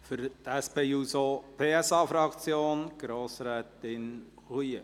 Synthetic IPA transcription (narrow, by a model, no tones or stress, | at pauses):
fʏɾtæspeːuːsopʰeːɛsɑːfɾɑkt͡sjoːnɡ̥ɾoːsɾɛːt̪ɪn | ʁyə